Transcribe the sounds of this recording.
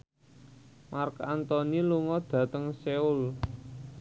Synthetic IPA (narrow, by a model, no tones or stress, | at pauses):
markant̪ɔniluŋɔd̪̥ä̤t̪əŋseul